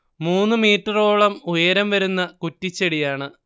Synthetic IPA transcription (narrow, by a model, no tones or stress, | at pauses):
muːnːɨmiːtrɐro̞ːɭɐmujɐɾɐmʋɐɾunːɐkutːit͡ɕːeɽijaːɳɨ